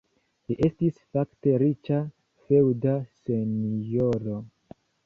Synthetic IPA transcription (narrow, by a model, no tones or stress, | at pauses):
liʔe̞stisfakte̞ɾit͡ʃa | fe̞wdase̞njoɾo̞